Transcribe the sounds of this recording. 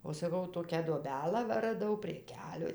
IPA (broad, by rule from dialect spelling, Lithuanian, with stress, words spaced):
oː sɐˈkɐʊ ˈtoːkʲæː duɔˈbʲæːlˠɑː ˈʋɐ rɐˈdɐʊ pʲrʲiɛ ˈkʲæːlʲʊɪ